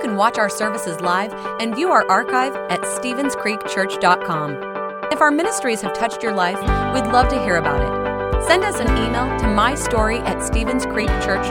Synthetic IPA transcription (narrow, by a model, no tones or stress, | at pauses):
kʰɨ̃n̩wɑt͡ʃaʊə˞sɜ˞vɨsɨzlaɪv | ɨ̃nvjʉaʊə˞ʔɑɹkʰaɪvɨtstivɨ̃nz̥kʰɹ̥ikt͡ʃʰɜ˞t͡ʃd̥ɑt̚kʰɑ̃m | ɨfaʊə˞mɪ̃ñɨstɹ̥iz̥ɨv̥tʰʌt͡ʃt͡ʃə˞laɪfwidˡlʌv̥tɨɦiɹɨbaʊɾɪ̰t̚ | sɛ̃ndʌsɨ̃nimeɪlˠtʰɨmaɪstɔɹiʔɨtstivɨ̃nz̥kʰɹ̥ik̚t͡ʃʰɜ˞t͡ʃ